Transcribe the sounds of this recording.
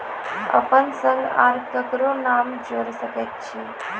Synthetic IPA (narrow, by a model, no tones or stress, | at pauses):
ə̰pənsə̃ŋɡa̰ɾkəkɾonaːmd͡ʒoːɾsəkət̪̚t͡ʃʰi